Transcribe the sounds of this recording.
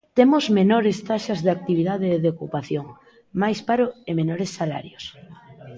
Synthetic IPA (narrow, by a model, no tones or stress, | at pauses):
t̪emozmenoɾest̪aʃazðɪak̚t̪iβ̞iðað̞eːðeokupaθjoŋ | majspaɾoemenoɾesːala̰ɾjos